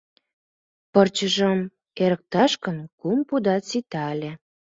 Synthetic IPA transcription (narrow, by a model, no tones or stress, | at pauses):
pərt͡ɕəʒəm | eɾə̆k̚t̪ɑʃkənkumpud̪ɑt͡sit̪ɑlʲe